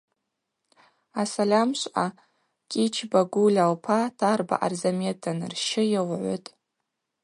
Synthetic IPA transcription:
asalʲamʃʷʔa | kʲʼit͡ʃʰbaɡulʲalpʰatʰarba̰ʔa̰rzametʰanrʃɪjawʕʷʊ̰tʼ

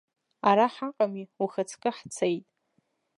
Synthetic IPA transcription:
aɾaħaqʼamiuχat͡sʰkʼɪħt͡sʰejtʼ

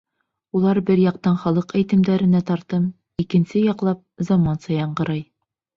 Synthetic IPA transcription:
ulˠɑɾbɘɾjɑq̚t̪ɑnχɒlˠɤqæjt̪ɘ̆md̪æɾɘ̆næt̪ɒɾt̪ɤm | ikɘ̆nsɘjɒqlˠɑp̚zɑmɑnsɑjɑɴɢɤ̆ɾɑj

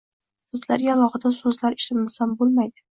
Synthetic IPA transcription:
sɨzlaɾɡʲaːlˠɒχɨd̪asɵzlaɾɪʃɪmɪzambolˠmajd̪ɪ

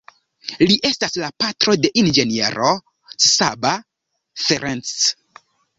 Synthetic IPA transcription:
liʔe̞staslapatɾo̞de̞ʔind͡ʒe̞niḛɾʔo | ssaba | feɾent͡s

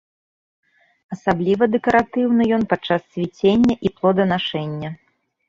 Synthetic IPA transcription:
ɐsablʲivɐd̪ɛkɐɾat̪ɨwnɨjɔnpat͡ʂːasːʲvʲit͡sʲenʲːɐʔiplˠɔd̪ɐnaʂɛnʲːɐ

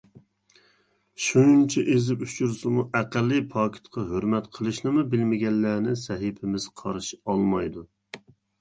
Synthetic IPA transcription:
ʃunt͡ʃʰɛʔezɪpyt͡ʃʰuɾsɪmuʔæqælːɨpʰɑkʲʰi̥t̪qʰɑɦøɾmɛt̪qʰəlˠɨʃnɪmubɪlmɪɡʲɛnːæːnɪsɛɦipʰɪmɪz̥qʰɑɾʃiɑlˠmɑjd̪u

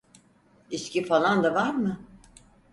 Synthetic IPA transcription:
iscifalˠand̪avaɾmɯ

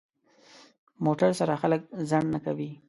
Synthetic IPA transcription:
moʈaɾsaɾaxalək̚zaɳnakawi

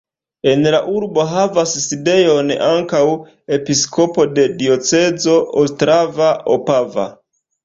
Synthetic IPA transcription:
e̞nlaʔuɾbo̞ɦavasːide̞jo̞naŋkaw | e̞piskʰo̞po̞de̞dio̞t͡se̞zo̞ostɾavaopava̰

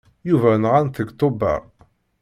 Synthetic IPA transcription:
juvænʁanθəɡt̪ˤobæ̰ʁ

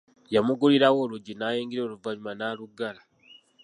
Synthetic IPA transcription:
jamuɡuliɾawo̞ːluɟinaːjeːŋɡiɾeːluvaɲumanaːluɡala

